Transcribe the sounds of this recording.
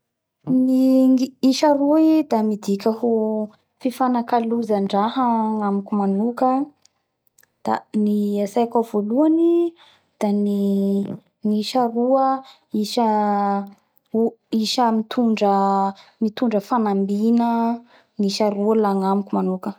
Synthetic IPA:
niŋiiʃaɾuid̪amid̪ikʲəɦu | fifanakaluzaɳɖ͡ʐaɦaŋamikʲumanukə | d̪̥a̰niasajkavoluani | d̪̥ani | ŋiʃaɾuə | iʃə | uiʃəmit̪ʰuɳɖ͡ʐəmit̪uɳɖ͡ʐəfanambinə | ŋiʃaɾualaŋamikʲumanukə

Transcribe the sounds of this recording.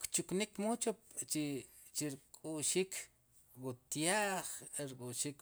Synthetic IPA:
kt͡ʃuknikmot͡ʃop̚t͡ʃi | t͡ʃiɾkʼuʃikʰ | wut̪jaːχeɾkʼuʃik

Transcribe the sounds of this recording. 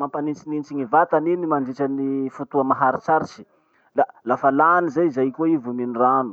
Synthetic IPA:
mampanint͡sinint͡siŋivat̪aninimand͡ʒit͡ʃanifut̪uamaɦaɾit͡saɾit͡ʃi̥ | lalafalanizajizajkoivuminiranu

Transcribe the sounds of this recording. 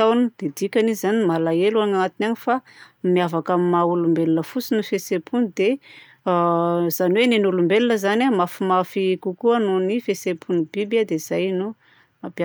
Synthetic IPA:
awnud̪̥ed̪ikʲanizzanimalaeluaŋaat̪inanifamiavakamimaulumbelinəfut͡sinifesepʰunid̪e | z̥aniwenenulumbelinəzanamafimafikukuanunifesepʰunubibad̪ez̥ajnu | apa

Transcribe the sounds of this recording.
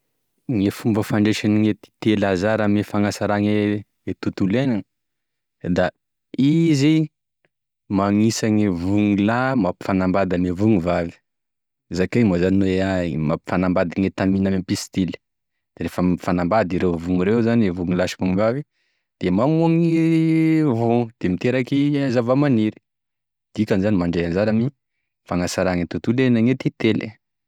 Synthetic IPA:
ŋefumbəfaɳɖ͡ʐeʃaniŋet̪i̥t̪elazaɾamefaŋasaɾaŋe | et̪ut̪ulenanə | d̪a | izi | maŋisaŋevuŋulamapi̥fanambad̪anivuŋivavi̥ | zakemozanineamapi̥fanambad̪aŋet̪aminamepist̪ili̥ | d̪̥eɾefəfanambad̪iɾewvuŋiɾewzanvuŋilaʃi̥vuŋivavi | d̪̥emamaŋi | vud̪̥emit̪eɾakizavamaniɾi̥ | d̪̥ikʲanzanimaɳɖ͡ʐejanzaɾani | faŋasaɾaŋit̪ut̪ulenaŋet̪it̪elḛ

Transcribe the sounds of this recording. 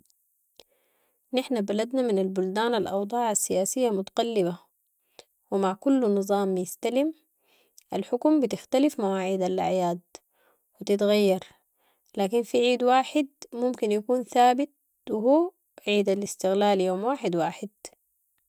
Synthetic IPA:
nɪħnabalad̪namɪnalbʊld̪aːnalʔɑ̰wd̪ˤɑːʕasːijaːsijːamʊt̪ḁqɑlːɪba | wɪmaʕkulːnɨzˤɑːmjɪst̪alim | ʔalħʊkumbɪt̪ɪxt̪alifmawaːʕiːd̪ala̰ʕjaːd̪̚ | wit̪ɪt̪ɣajːɑɾˤ | laːkinfiʕiːd̪waːħɪd̪̚mʊmkinjakuːnθaːbɪt̪̚ | wɪɦuː | ʕiːd̪alɪst̪ɪɣlaːljoːmwaːħɪd̪waːħɪd̪

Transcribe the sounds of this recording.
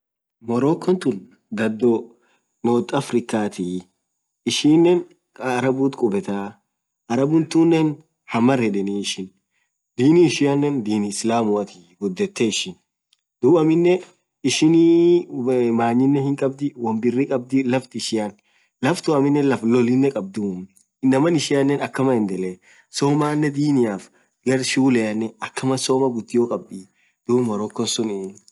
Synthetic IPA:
mɔɾoːkːɔnt̪ʊn | d̪ɐd̪ːɔ | noːt̪ʼːɐfɾɪkːaːt̪ɪ | ɪʃiːnːɛnː | ɾɐbuːt̪kʼʊbɛt̪aː | ɐɾɐbʊnt̪unːɛn | hɐmɐrhɛᶑɛniɪʃɪn | d̪iːnɪɪʃɪjɐnːɛnd̪iːnɪɪslaːmʊɐt̪ɪ | ɡʊd̪ːɛt̪ːɛɪʃɪn | d̪̥ʊbɐmɪnːɛ | ɪʃɪni | maːɲːɪnːɛhɪŋkʼɐb̚d̪ɪwɐmbɪrːɪkʼɐb̚d̪ɪlɐft̪ɪʃɪjɐn | lɐft̪ʊɐmɪnːɛlɐflɔlːɪnːɛkʼɐb̚d̪ʊm | ɪnːɐmɐnɪʃɪjɐnːɛnɐkːɐmɐɪnd̪ɛlɛ | soːmaːnːɛd̪iːnɪjaːf | ɡɐɾʃuːlɛɐnːɛɐkːɐmɐsoːmɐɡʊt̪ːɪjoːkʼɐbːiː | d̪̥uːbmɔɾɔkːɔnsʊnɪ

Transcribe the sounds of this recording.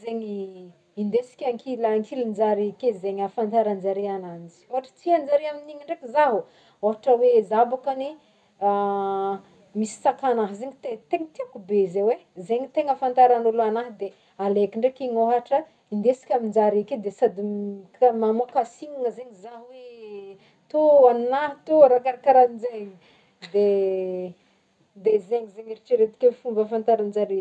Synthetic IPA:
zeŋi | ind̪esi̥kʲaŋkʰilaŋkʰilind͡ʒaɾikezeɲafant̪aɾand͡ʒaɾianand͡ʒi̥oɦaʈ͡ʂə̥t͡siɦand͡ʒaɾiaminiŋiɳɖ͡ʐekizaɦu | oɦaʈ͡ʂəwezabakani | a | misi̥t͡sakanaɦzeŋit̪et̪eŋət̪iakubezewezeŋit̪eŋəfant̪aɾanuluanaɦd̪e | alekiɳɖ͡ʐekiɲoɦaʈ͡ʂə | ind̪esi̥kʲamind͡ʒaɾeked̪esad̪ikmamuakasiŋaŋəzeɲizaɦwe | t̪oannaɦt̪uɾakaɾakaɾanid͡ʒeɲi | d̪e | d̪ezeŋizeŋiɾit͡ʃiɾet̪i̥kʲeifumbəfant̪aɾand͡ʒaɾe

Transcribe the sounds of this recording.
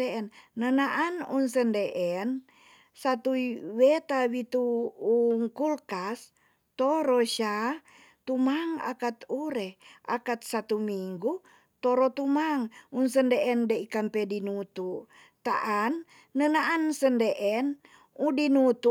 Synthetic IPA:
eɛnːənaʔanunsəndeʔɛn | sat̪uiwet̪awit̪uː | ŋkulkas | t̪oɾoʃa | t̪umaŋa̰kat̪uɾɛʔa̰kat̪̚sat̪umiŋɡu | t̪oɾot̪umaŋunsəndeʔɛndeikampɛdinut̪u | t̪a̰ʔanː | ənaʔansəndeʔɛn | udinut̪u

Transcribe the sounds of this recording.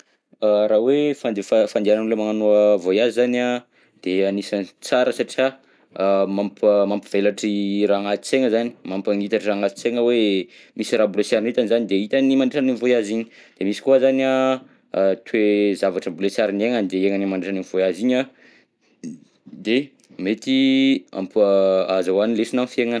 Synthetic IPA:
aɾawefand̪efafand̪eiananlemaŋanuəvojazizana | d̪̥eanisant͡saɾəsaʈ͡ʂia | mampmampiv̥elaʈ͡ʂiraŋat̪it͡seŋəzani̥mampaŋit̪aʈ͡ʂiraːŋat̪i̥t͡seŋəwemisiɾaːbulesjaɾinit̪anizanid̪eit̪animaɳɖ͡ʐiʈ͡ʂaninvojaziɲi̥d̪̥emisi̥kuəzania | t̪ʰwezavaʈ͡ʂəbulesjaɾineŋanid̪eeŋanimanɳɖ͡ʐiʈ͡ʂaninv̥oaziɲa | d̪e | met̪ia̰mpaazawanilesinamfieŋan

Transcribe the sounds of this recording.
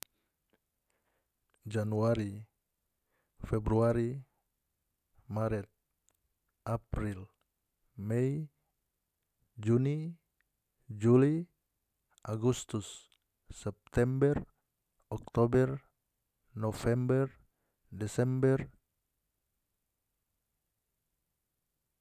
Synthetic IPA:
d͡ʒanuaɾi | fɛbɾuaɾi | maɾɛt̪̚ | apɾil | mɛi | d͡ʒuni | d͡ʒuli | aɡust̪usː | ɛp̚t̪ɛmbɛr | ɔk̚t̪ɔbɛr | nɔfɛmbɛr | dɛsɛmbɛr

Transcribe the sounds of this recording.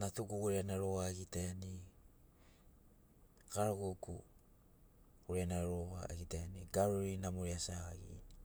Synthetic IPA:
natuɡuɡuɾeanaɾowaeɡitani | kaɾoɡoku | uɾeanaɾoβa̰eɡitaniɡaɾoɾinamoɾiasaɣaɡḭn

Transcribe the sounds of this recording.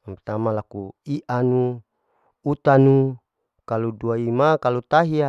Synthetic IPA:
ampet̪amalakuiʔanu | ut̪anu | kaluduaimakalut̪aɦia

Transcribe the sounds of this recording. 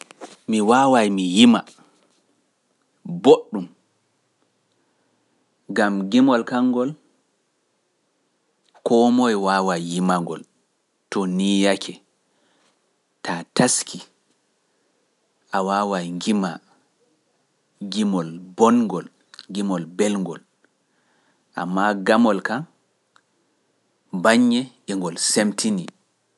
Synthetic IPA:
miwaːwajmijima | boɗːum | ɡamɡimɔlkaŋːɡɔl | kɔːmɔɛwawajjimaŋɡɔl | tɔnijakʰɛ | tataskʰi | ʔawaːwaŋɡima | ɡimɔlbɔnŋɡɔl | ɡimɔlbɛlŋɡɔl | ʔa̰mːaɡamɔlkan | baɲːɛʔɛŋɡɔlsemtʰini

